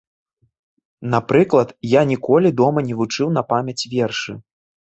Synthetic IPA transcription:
napɾɨklˠɐt̪janʲikɔlʲid̪ɔmɐnʲɛvut͡ʂɨwn̪ɐpamʲɐt͡sʲvʲɛrʂɨ

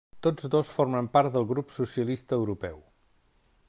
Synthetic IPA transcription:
t̪od͡zd̪osfoɾməmpaɾt̪̚d̪əlˠɣɾupsusiəlist̪əːwɾupɛw

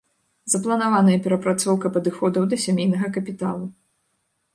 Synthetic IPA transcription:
z̥ɐplˠɐnavanɐjɐpʲɛɾɐpɾat̪sɔwkɐpɐd̪ɨxɔd̪ɐwd̪ɐsʲamʲejnɐɣɐkɐpʲit̪alˠu

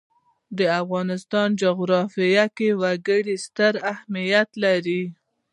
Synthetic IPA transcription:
d̪əafɣɑnɪst̪ɑnd͡ʒʊɣɾɑfijakewaɡəɽist̪əɾahmijat̪laɾi

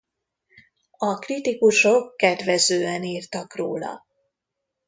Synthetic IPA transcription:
ɒkrit̪ikuʃo̞kːɛd̪vɛzøːɛniːrt̪ɒkro̰ːlɒ̰

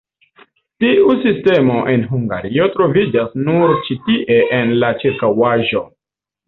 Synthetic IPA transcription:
tiusiste̞mo̞ʔenɦuŋɡa̰ɾio̞tɾo̞vid͡ʒasnuɾt͡ʃitiʔeʔenlat͡ʃeɾkawaʒo̞

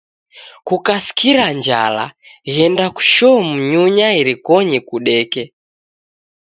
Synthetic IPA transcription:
kukasi̥kiɾaɲd͡ʒa̰la̰ɣɛndaku̥ʃɔm̩ɲuɲaiɾikɔɲikuɗɛkɛ

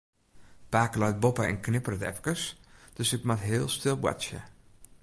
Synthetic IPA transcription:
paːklœɥt̚bopəɛ̰nknɪpərətɛ̰fə̥kəsd̥øsɪkmatɦɪːlˠstɪlˠwa̰t͡ʃjə̰

